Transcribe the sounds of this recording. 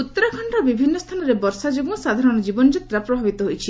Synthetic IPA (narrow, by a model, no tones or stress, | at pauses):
ut̪ːɔɾɔkʰɔɳʈɔbibʱinːɔst̪ʰanɔɾebɔɾsad͡ʒoɡmɔsad̪ʱaɾɔɽ̃ɔd͡ʒibɔnɔd͡ʒit̪ːɾapɾɔbʱabit̪ɔɦojt͡ʃʰi